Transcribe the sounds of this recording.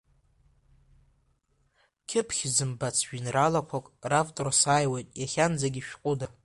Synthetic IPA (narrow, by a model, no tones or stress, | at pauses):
kʲʰɪpʰχʲzɨmbat͡sʰʒᶣinralakʷʰakʼravtʼorasaːjwajtʼjaχʲand͡zaɡʲiʃᶣqʼʊda